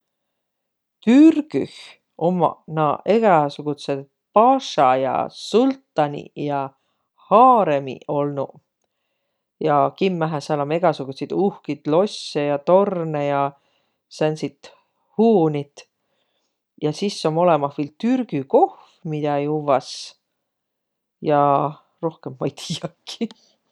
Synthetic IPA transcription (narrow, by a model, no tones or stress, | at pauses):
t̪yrɡ̥yh | ʔomːɑ̰nɑe̞ɡ̥ɑsuɡ̥ut̪sed̪ | pɑʃɑjɑ̰sult̪ːˑɑnʲḭjɑ | hɑːɾemḭo̞lnu | jɑkimːæɦæsɑlɑme̞ɡ̥ɑsuɡ̥ut̪sid̪uhkit̪lo̞sːejɑt̪o̞rnejɑ | sænʲsit̪ | huːnit̪ | jɑsisːo̞mo̞lemɑhvilt̪yrɡ̥yko̞hfmid̪̥ɑjuvɑs | jɑ | ro̞hkemːɑjt̪ʰiːɑkːi